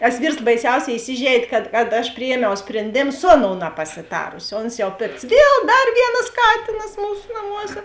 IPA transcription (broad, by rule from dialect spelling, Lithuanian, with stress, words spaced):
tɐs ˈʋʲiːrs bɐɪˈsʲɛʊˌsʲɛː ɪˈsʲɪʒʲɛɪdʲeː kɐt kɐt ɐʃ pʲrʲɪˈjiɛmʲɛʊ sʲpʲrʲɛnʲˈdʲeːm ˈsʊ ɐˌnoːʊ nɐpɐsʲɪˈtɑːrʊsʲɪ ˈoːns jɛʊ ˈpʲɪkts ˈʋʲiɛlˠ ˈdɐr ˈʋʲiɛnɐs ˈkɑːtʲɪnɐs ˈmuːsʊ nɐˈmuɔsʲɛ